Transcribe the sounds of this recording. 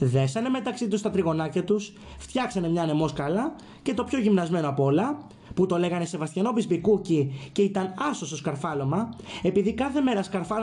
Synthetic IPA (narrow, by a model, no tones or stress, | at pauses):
ðe̞sɐne̞me̞t̪ɐksit̪ust̪ɐt̪ɾiɣo̞nɐcɐt̪us | ft̪çɐksɐne̞mɲɐːne̞mo̞skɐlɐ | ce̞t̪o̞pço̞ʝimnɐzme̞noɐpo̞lɐ | put̪o̞le̞ɣɐne̞se̞vɐst̪çɐno̞pispikucice̞it̪ɐnɐsost̪oskɐɾfɐlo̞mɐe̞piðikɐθe̞me̞ɾɐskɐɾfɐ